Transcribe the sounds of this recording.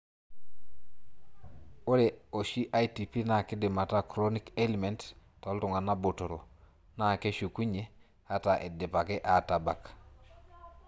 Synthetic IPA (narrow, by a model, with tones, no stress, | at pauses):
o˦ɾe˨o˨ʃi˦ʔa˦jti˨pi˦na˨kɪ˦dɪ˨ma˨ta˦kɾo˦ni˦ke˦li˨me˨ntto˨˦ltu˨ŋa˨na˦bo˨to˨ɾo˨ | na˦˨ke˦ʃu˨ku˦ɲe˦ | a˦ta˨ʔe˨dɪ˨pa˨ke˦ʔa˨ta˨ba˨k